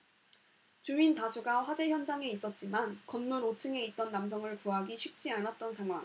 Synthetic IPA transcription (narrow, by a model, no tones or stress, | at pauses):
t͡ɕuintasʰuɡaɸwad͡ʑe̞çjʌnd͡ʑaŋe̞is͈ʌt̚t͡ɕ͈imankʌnmuɾot͡ɕʰɯŋe̞it̚t͈ʌnːams̬ʰʌŋɯɭpuɦaɡiɕʰɥik̚t͡ɕ͈ianat̚t͈ʌnsʰaŋɦwaŋ